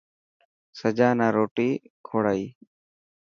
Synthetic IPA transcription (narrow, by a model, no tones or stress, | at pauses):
səd͡ʒaːnaːɾoːʈiː | kʰoːɽaːiː